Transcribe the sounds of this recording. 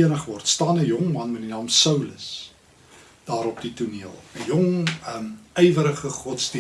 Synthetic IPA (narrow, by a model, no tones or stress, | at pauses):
ənəχvɔrtstɑːnəjɔŋmɐnmɛdinɑːmsəwləs | d̥ɑːɾɔp̚dituniəlˠəjɔŋmɛjvəɾəχəχɔtsdi